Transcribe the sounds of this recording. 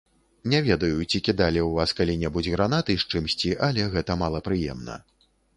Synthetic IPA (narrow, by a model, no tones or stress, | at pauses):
nʲɛvʲɛd̪ɐjut͡sʲikʲid̪alʲiwvaskalʲinʲɛbud͡zʲɣɾanat̪ɨʂt͡ʂɨmsʲt͡sʲiʔalʲɛɣɛt̪ɐmalˠɐpɾɨjɛ̰mnɐ̰